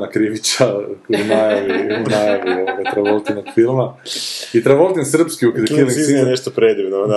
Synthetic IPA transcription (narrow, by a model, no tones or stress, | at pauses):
nakɾiʋit͡ɕanajaʋinajaʋujooʋat̪ɾaʋolˠt̪ino̥filˠmait̪ɾaʋolˠt̪insr̩pskiukiiliizieneʃt̪opɾed̪iʋnoa